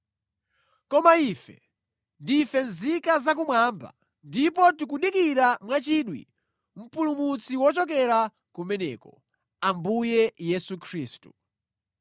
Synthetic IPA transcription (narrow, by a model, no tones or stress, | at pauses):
kɔmaifɛ̰ | ndifɛnzikazak̬umwaːmba̰ | ndipɔtikuɗikiɾamwat͡ʃiɗwḭ | m̩pulumut͡siwɔt͡ʃɔk̬ɛɾa | kumɛnɛ̰ːkɔ | ambujɛjɛsukʰɾiːstu̥